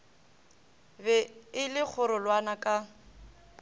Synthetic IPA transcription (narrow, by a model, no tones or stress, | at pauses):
bɛɪlɪk͡xʰʊɾʊlwanakʼa